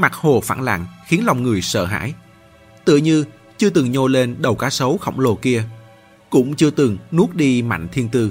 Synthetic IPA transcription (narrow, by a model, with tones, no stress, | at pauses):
ma˨˩k̚ho˨˩fa̰ː˧˩nla̰ː˧˨ŋxi˨˦ənla˨˩wŋ͡mŋɨ˨˩əjsə̰ː˧˨ɦa̰ː˧˥˨j | t̪ɨ̰˧˨əɲɨ˧ | t͡ɕɨ˧ət̪ɨ˨˩ŋɲo˧le˧nɗə˨˩wkaː˨˦sə˨˦wxə̰˧˩wŋ͡mlo˨˩ki˧ə | kʊ̰˧˥ŋ͡mt͡ɕɨ˧ət̪ɨ˨˩ŋnu˦˥ək̚ɗi˧ma̰˧˨jŋ̟t̪ʰi˧ənt̪ɨ˧